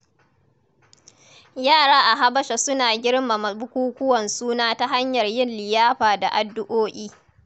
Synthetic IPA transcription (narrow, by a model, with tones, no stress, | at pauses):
jaː˦˨ɽaː˦ʔa˨ɦa˦bɐ˦ʃa˨sʊ˦naː˨ɡʲɪ˦ɽma˨mɐ˨bʊ˦kʷuː˦kʷʊ˦wɐ˨nsuː˦naː˦ta˦ɦa˦ɲjɐ˨rjɪ˦˨nlɪ˨jaː˦ɸaː˨da˨ʔa˨dːʊ˦ʔoː˦ʔʲiː˦